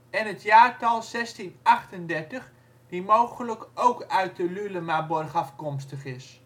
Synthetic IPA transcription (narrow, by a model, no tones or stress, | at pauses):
ɛnətʰjaːrtɑlˠsɛstinaχtəndɛrtəx | dimowɣələkowkœɥt̚dəlyləmabɔrxɑfkɔmstəχɪs